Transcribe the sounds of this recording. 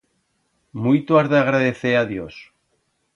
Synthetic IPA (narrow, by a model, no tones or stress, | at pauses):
mujt̪oaɾðaaɣ̞ɾaðeθeaðjos